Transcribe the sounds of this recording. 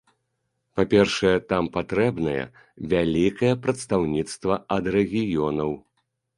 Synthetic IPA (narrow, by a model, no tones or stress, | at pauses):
papʲɛrʂɐjɛt̪ampat̪ɾɛbnɐjɛ̰ | vʲalʲikɐjɛpɾɐt̪st̪awnʲit̪st̪vɐɐd̪rɛɣʲijɔnɐw